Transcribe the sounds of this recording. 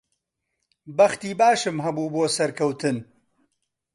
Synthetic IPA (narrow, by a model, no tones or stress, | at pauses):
bɐxt̪iːbaːʃɨmɦɐbuːboːsɐɾkʰɐwt̪ʰɨn